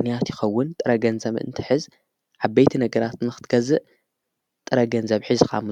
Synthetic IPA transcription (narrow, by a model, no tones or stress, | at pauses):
nijat̪jɪxɐwːʊnt̪ʼɨɾɐɡɐnzɐβʔɨ̰nt̪ʰɨħɨz | ʕabːejt̪ʰinɐɡɐɾat̪nɨxɨ̥t̪ɡ̥ɐzɨʔ | t̪ʼɨɾɐɡɐnzɐβħɨzkʰa̰m